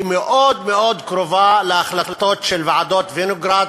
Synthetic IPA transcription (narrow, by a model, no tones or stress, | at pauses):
meʔod̪meo̞d̪kʁovaleaχlat̪ot̪ʃelvaʕad̪ot̪venoɡɾad̪